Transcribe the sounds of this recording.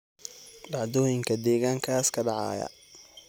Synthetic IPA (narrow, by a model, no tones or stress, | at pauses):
ɖɑʕd̪ɔːjɪŋkʰɐd̪ɛːɣaːŋkʰaːskʰɐɖɑʕɑ̰ːjɐ̰